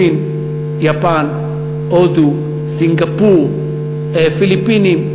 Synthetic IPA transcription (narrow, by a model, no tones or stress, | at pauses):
in | japan | od̪u | siŋɡapuɾ | efilipːini